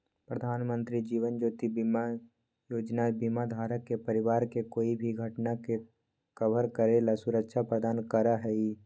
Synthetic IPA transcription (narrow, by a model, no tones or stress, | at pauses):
pɾəd̪ʱaːnmə̃nt̪ɾid͡ʒiːʋənd͡ʒoːt̪ibima | joːd͡ʒnabimad̪ʱaːɾəkːepəɾɪʋaːɾkekoːibʱiɡʱəʈnake | kəbəɾkəɾelasʊɾəkʃʰapɾəd̪aːnkəɾaɦɛi